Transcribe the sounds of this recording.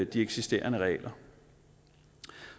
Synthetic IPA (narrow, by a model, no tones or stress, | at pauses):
d̥ieɡ̥sisd̥e̝̰ːɐnəʁɛ̰ːlɐ